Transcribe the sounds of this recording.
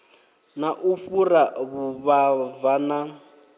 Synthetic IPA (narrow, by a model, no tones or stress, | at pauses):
naʔufuɾaβuβavana